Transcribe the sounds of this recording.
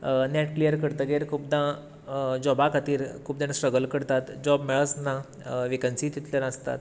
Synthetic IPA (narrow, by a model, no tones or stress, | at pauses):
nɛʈklijəɾkəɽt̪əɡeɾkʰuːp̚d̪ã | d͡ʑɔbakat̪iːɾkʰuːp̚d̪ansʈɾəɡəlkəɽt̪at̪d͡ʑɔbmɛɭəsna | ʋikənsiːt̪it̪ljəɾəst̪a̰t̪